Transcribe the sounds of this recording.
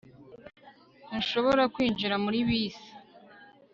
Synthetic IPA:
inʃo̞βo̞ɾakwiːnd͡ʒiɾamuɾiβiːsi̥

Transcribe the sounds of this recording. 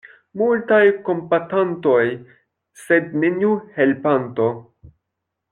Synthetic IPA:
multajko̞mpatanto̞j | se̞d̪̚neniuhe̞lpanto̞

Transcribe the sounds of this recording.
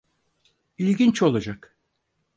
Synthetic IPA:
ilʲɟʲint͡ʃo̞lˠad͡ʒak

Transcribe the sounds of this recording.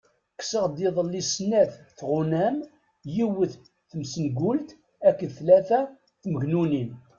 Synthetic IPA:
ksəʁd̪iðˤəlːisnːæθθʁʊnæm | jiwəθ | θəmsənɡʊlt̪ | ækːəθlæθæ | θməʝnunin

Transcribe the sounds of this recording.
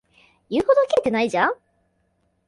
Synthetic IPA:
jɯ̟ːhod̪okʲeːt̪e̞naiʑã

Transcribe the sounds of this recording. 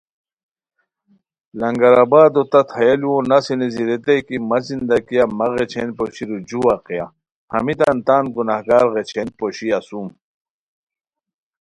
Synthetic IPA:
lɐŋɡɐɾabaːd̪ot̪ɐt̪ʰɐjɐliwõnɐsineziɾet̪ejkimɐzind̪ɐkijamɐɣet͡ɕʰḛnpoɕiɾud͡ʑuwaqija | hɐ̰mit̪ant̪aːnɡunahɡaːɾɣet͡ɕʰenpoɕiɐsum

